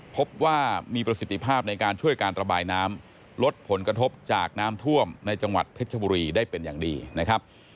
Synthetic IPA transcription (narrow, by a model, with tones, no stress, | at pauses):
pʰo˦˥p̚waː˥˩miː˧pɾa˧si˨˩t̪ʰːi˦pʰaː˥˩p̚na˧jkaː˧nt͡ɕʰu˥˩əjkaː˧nɾa˧baː˧jnaː˦˥m | lo˦˥t̪̚pʰo˩˦nkɾa˧t̪ʰo˦˥p̚t͡ɕaː˨˩k̚naː˦˥mt̪ʰu˥˩əmna˧jt͡ɕa˧ŋwa̰˨˩t̪̚pʰe˦˥t̪̚ʰa˧buː˧ɾiː˧daː˥˩jpe˧nja̰ː˨˩ŋdiː˧na˦˥kʰa˦˥p̚